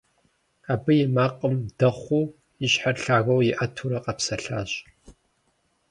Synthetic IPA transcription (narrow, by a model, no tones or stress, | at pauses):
aːbɨjɪmaːqʼəmd̥ɐχʷuː | ɪɕħarɬaːɣɐwjɪʔɐtʰuɾɐqʼɐpsɐɬaːɕʼ